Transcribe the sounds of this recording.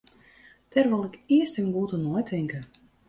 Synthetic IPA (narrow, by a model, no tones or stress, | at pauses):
t̪ɛɾʋɔlˠikiəst̪ɛmɡuːt̪unuət̪ɛŋkə